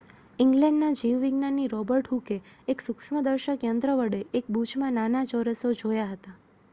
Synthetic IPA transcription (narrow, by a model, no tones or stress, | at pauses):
iŋɡlɛ̃ɳɖnad͡ʒiʋːiɡnanːiɾɔbəɾʈɦukeeksʊkʃməd̪əɾʃəkjənd̪ɾəʋəɽeʔek̚bud͡ʒmãnanad͡ʒɔɾəsod͡ʒojaɦət̪a